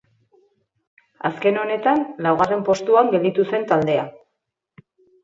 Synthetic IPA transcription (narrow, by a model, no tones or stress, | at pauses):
aske̞no̞ne̞t̪anlawɣare̞mpo̞st̪uaŋɡe̞ld̪it̪use̞nt̪ald̪e̞a